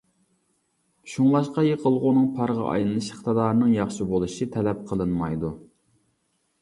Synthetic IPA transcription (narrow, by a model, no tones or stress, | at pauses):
ʃuŋlˠɑʃqɑjeqʰəlˠʁʊnɨŋpʰɑɾʁɑ̰ʔɑ̰jlɨnˠɨʃχt̪ɨd̪ɑːɾnɨŋjɑχʃibolˠɨʃit̪ʰɛlɛp̚qʰəlˠɨnmɑjd̪u